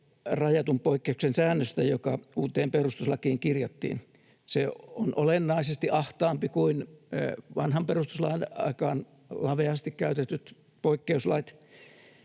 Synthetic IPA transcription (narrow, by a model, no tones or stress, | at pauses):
rɑjɑt̪umpoikːeuksensæːnːøst̪æjokɑuːt̪ˑeːmperust̪uslɑkiːŋkirjɑt̪ːḭːn | seonʔo̰lenːɑisest̪iʔɑht̪ɑːmpikuin | ʋɑnhɑmperust̪u̥slɑ̰inɑ̰ikɑːn | lɑʋeɑst̪ikkæyt̪et̪yt̪ | poikːeuslɑit̪